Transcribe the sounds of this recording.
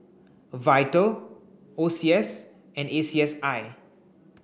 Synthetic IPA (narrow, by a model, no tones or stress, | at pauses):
vajtəl | osiɛs | ɛ̃nesiɛsaj